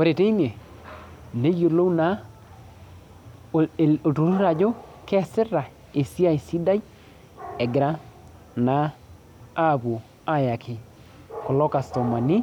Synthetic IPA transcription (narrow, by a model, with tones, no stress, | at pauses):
wo˦ɾe˨te˦i˦nje˨ | ne˦jo˨lo˦na˦˨ | o˨tu˨ɾi˦ɾa˨d͡ʒo˦kɛ˦sɪ˦ɾa˨ | e˨si˦a˦i˨si˦da˦j | ɛ˨ɡɾa˦ | naː˨˦˨ | bu˨ | a˦ja˨kʰɪ˨ | ko˨lɔ˦ka˨sto˨ma˨ni˦